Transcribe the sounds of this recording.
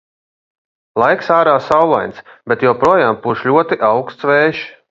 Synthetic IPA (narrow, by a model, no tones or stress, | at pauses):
lˠajksaːɾaːsawlˠa̰jnsbʲɛt̪jɛwpɾuɔjaːmpuːʃlʲuɔt̪iʔawkst̪svɛːʃ